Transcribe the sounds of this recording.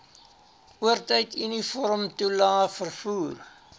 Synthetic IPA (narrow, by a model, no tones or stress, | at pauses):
uərtəjtynifɔɾmtulɑːfərfuːr